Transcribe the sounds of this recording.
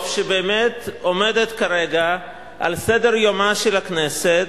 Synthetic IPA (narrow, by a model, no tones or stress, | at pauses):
fʃebeːmet̪o̞med̪et̪kaʁeɡa | ʔa̰lsedeʁjomaʃelakneset